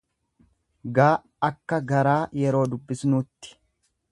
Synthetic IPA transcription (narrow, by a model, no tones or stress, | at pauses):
ɡaː | ɐkːɐɡɐɾaːjɛɾo̞ːd̪ʊbːɪsnuːt̪ːɪ̥